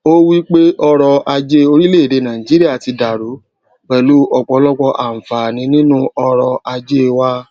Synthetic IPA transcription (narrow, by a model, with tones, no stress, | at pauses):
o˦wi˦k͡pe˦ʔɔ˧ɾɔ˧a˧d͡ʒe˦o˧ɾi˦le˦˨ɾe˨˧˦nã˨ĩ˨d͡ʒi˨˦ɾi˦a˦˨ti˧da˨ɾu˨˦ | k͡pɛ˨lu˨˦ʔɔ˧ɡ͡bɔ˨˧lɔ˦ɡ͡bɔ˧ʔa˨m̩˨fa˨nĩ˧˦nĩ˦nũ˦ɔ˧ɾɔ˧a˧d͡ʒe˦wa˦